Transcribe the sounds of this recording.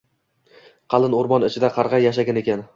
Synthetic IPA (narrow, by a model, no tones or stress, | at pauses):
qʰɑlˠɪnoɾmɒnɪt͡ʃʰɪd̪aqʰɑɾʁɑjaʃ̬aɡʲane̞kʲan